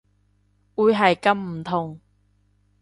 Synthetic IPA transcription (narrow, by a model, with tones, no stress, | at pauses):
ʔu˧˥jɦɐ˨jkɐ˧˥mm̩˨˩t̪ʰʊ˨˩ŋ